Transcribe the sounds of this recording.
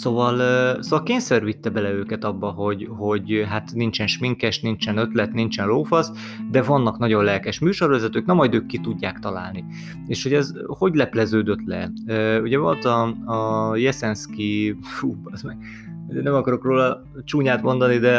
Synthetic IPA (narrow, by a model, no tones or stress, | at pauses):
sovɒlsoːvɒlkeːɲsɛrvit̪ːɛbɛlɛøːkɛt̪ɒbːɒɦo̞ɟɦo̞ɟɦat̪nint͡ʃɛnʃmiŋkɛʃnint͡ʃɛnø̞t̪lɛt̪nint͡ʃɛnroːfɒz | d̪ɛvɒnːɒknɒɟo̞nlɛlkɛʃmyːʃo̞rvɛzɛt̪øːknɛmːɒjd̪øːkːit̪uɟːaːkt̪ɒla̰ːlni | eːʃho̞ɟɛzho̞ɟlɛplɛzøːd̪øt̪lɛ̰øːuɟɛvo̞lt̪ɒɒjɛsɛnskifubɒzmɛɡ | uɟɛnɛmɒkɒɾo̞kroːlɒ | t͡ʃuːɲaːt̪mo̞nd̪ɒnid̪ɛ